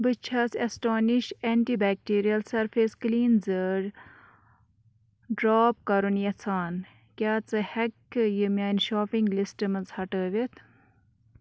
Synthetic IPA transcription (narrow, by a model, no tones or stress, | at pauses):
bɨt͡ʃʰɐsesʈoːniʃeːɳʈibɛːk̚ʈiːɾijɐlsɐɾfeskliːnzəɾ | ɖɾaːp̚kɐɾunjɐt͡sʰaːn | kʲjaːt͡sɨhɐkːjumʲaːnʃoːpiŋɡlisʈɨmɨnt͡shɐʈəːʋit̪ʰ